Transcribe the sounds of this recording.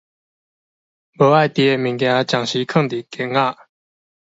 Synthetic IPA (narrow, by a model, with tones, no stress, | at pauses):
bo˩˨wa˥˨t̪i˩˨ɛ˥˨mi˩˨ka˩˥˨t͡ɕa˩˨ŋɕi˥˨kʰɑ˥ŋd̪i˨kɛ˩˨ŋa˥˨